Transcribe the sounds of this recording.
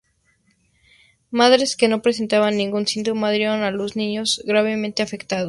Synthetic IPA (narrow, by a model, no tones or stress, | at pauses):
maðɾe̞ske̞no̞pɾe̞s̬e̞nt̪aβanːĩŋɡunsĩnd̪ɾomaðɾjeɾonaloznĩɲo̞zɡɾaβe̞mẽnt̪e̞afe̞kt̪aðo